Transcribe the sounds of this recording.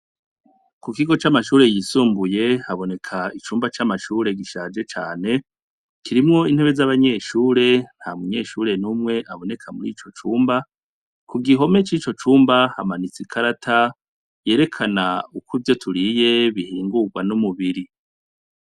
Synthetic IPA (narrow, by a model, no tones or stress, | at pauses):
kukiɡo̞t͡ʃamaʃuːɾe̞jisuːmbuje̞haβo̞ne̞kʰait͡ʃuːmbat͡ʃamaʃuːɾe̞ɡiʃaːd͡ʒe̞t͡ʃaːne̞ | kiɾimŋo̞in̥he̞βe̞zaβaɲe̞ːʃuːɾe̞n̥hamuɲe̞ːʃuːɾe̞numŋe̞ʔaβo̞ne̞kʰamuɾḭːt͡ʃo̞t͡ʃuːmba | kuɡiɦo̞me̞t͡ʃiːt͡ʃo̞t͡ʃuːmbaha̰manit͡sikʰaɾatʰa | je̞ːɾe̞kʰanaukʰuvjo̞tʰuɾije̞βihiːŋɡuɡwanumuβiɾi